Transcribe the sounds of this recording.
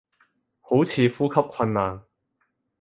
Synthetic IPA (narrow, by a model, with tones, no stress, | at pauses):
ho˨˥wt͡sʰiː˨˧fuː˥kʰɐ˥p̚kʷʰɐ˧nːaː˨˩n